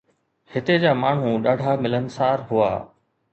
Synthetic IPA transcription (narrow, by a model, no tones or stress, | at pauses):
hɪt̪ed͡ʑaːmaːɳ̤ũɗaːɖʱamɪlənɪ̆saːɾɦʊa̰ː